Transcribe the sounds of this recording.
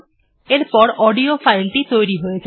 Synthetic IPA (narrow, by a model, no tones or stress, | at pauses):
eɾpɔɾɔːɖiopʰaɪlʈit̪ojɾiɦoed͡ʒa